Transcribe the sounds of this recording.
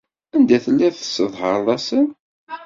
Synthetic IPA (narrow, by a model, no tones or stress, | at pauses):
ænd̪æθəlːæθə̥sːəðˤhəɾˤðˤɑsən